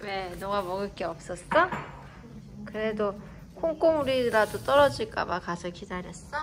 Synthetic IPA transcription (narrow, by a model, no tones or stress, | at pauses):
ne̞nʌŋamʌɡɯk͈eʌp̚s͈ʌst͈a | kɯɾe̞do | kʰoŋk͈omuɾiɾadot͈ʌɾʌd͡ʑiɭk͈a̰makasʰʌkidaɾjʌs͈t͈a